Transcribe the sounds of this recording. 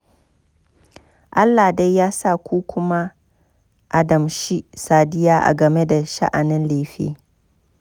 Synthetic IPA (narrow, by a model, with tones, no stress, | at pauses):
ʔa˦lːa˨da˦jːaː˦sa˦˨kʷoː˦kʷʊ˦ma˦ | ʔa˨dɐ˨mʃi˦saː˨dɪ˦jaː˦ʔa̰˨ɡɐ˨me˦da˨ʃa̰˦ʔa˨nɪ˦nle˨ɸḛː˦